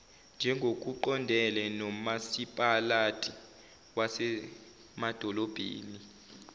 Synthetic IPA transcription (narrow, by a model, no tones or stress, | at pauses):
nd͡ʒʱɛŋɡʱok̬ʼuǃɔndʱɛlɛnɔmasipʼalatʼi | wasɛ | mad̥ʱɔlɔb̥ʱḛːni